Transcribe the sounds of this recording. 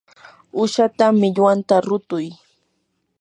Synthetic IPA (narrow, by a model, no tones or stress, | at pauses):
ʊʃat̪amɪʎwant̪aɾʊt̪ʊj